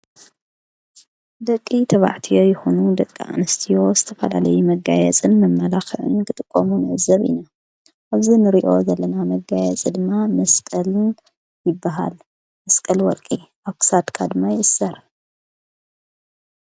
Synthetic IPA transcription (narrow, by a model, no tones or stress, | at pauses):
d̪ɐkʼːit̪ʰɐβa̰ʕt̪ʰijo̞jɪxunud̪ɐkʼːiʔa̰nɨst̪ʰijo̞zɨt̪ʰɐfɐla̰lɐjumɐɡajɛ̰t͡sʼɨnmɐmːɐlaxɨʕɨ̰nkɨt̪ʼɨkʼːomunɐzɐβḭna | ʔaβzinɨɾiʔo̞zɐlːɐnamɐɡajɛt͡sʼid̪ɨmːamɐskʼɐlɨn | jɪbːaɦa̰l | mɐskʼɐlwɔɾkʼiʔaβkɨ̥sat̪kʰad̪ɨmːajɪʔɨsːɐɾ